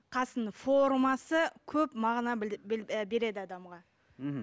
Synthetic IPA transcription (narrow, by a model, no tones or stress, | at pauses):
qʰɑsənfo̞ɾmɑsəkʲʰɵpmɑʁnɑ | be̞ɾe̞d̪ɪɑd̪ɑmʁɑ